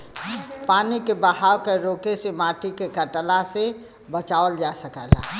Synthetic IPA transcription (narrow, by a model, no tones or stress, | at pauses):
paːnikebəɦaːwkeɾoːkesemaːʈikekəʈlase | bət͡ʃaːʋəld͡ʒasəkəla